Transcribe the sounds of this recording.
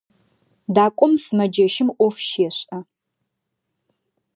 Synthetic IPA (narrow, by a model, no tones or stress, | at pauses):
daːkʷʼʊmsɨmɐd͡ʒɐʃɪmʔʷɔfʃeːɕɐ